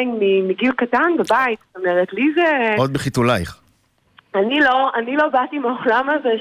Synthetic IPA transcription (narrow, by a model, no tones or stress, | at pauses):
ŋmimiɡilkatanbebait̪st̪o̞meʁet̪lizeod̪̚beχit̪ulajχ | anilo̞anilo̞batimaolamaze